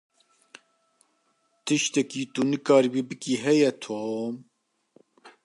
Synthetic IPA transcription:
t̪ɨʃt̪ɛkiːt̪unɨkɑːɾibibɨkiɦɛjɛt̪ʰoːm

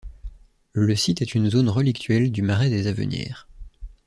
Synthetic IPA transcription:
ləsit̪ɛt̪ynzonʁəlikt̪ʰɥɛld̪ymaʁɛd̪ezavə̰njɛ̰ːʁ

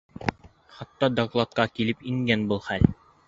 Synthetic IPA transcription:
χɑt̪ːɑd̪ɐɡlˠɑt̪̚kɑkilɘpiŋɡænbulˠχæl

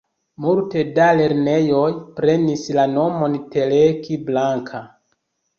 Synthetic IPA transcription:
multe̞dale̞ɾne̞jo̞jpɾe̞nislano̞mo̞nte̞lekiblaŋkʰa

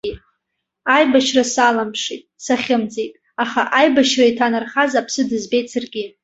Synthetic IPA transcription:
ajbaʃrasalampʰʂitʼsaχʲɪmd͡zetʼ | aχaʔajbaʃraitʰanarχazapʰsɨdɨzbe̞jtʼt͡sarɡʲɪ

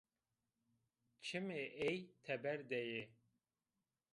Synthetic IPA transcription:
t͡ʃʰɨmeʔejt̪ʰɛbɛɾd̪ɛje

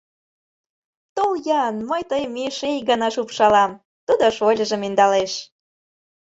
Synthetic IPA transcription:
t̪oljɑnməjt̪əjmiʃejɡɑnɑʃupʃɑlɑm | t̪ud̪oʃolʲə̆ʒə̆mind̪ɑleʃ

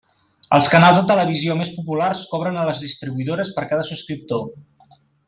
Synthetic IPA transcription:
ə̰lˠskənalˠzðət̪ələβ̞iziomespupularskɔβɾənələzðist̪ɾiβuiðoɾəspəɾkaðəsuskɾip̚t̪o

